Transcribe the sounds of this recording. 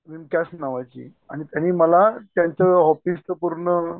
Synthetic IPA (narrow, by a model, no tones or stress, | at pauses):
ʋimkasnaʋajt͡ɕḭː | aɽ̃it̪janiːməlat̪jaɲt͡ɕəɦɔfist̪əpuɾɳə